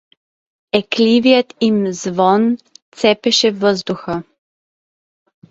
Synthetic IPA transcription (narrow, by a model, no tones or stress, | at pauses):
ɛkliːʋjɛt̪imzʋɔnt̪sɛpɛʃɛʋəzd̪uxa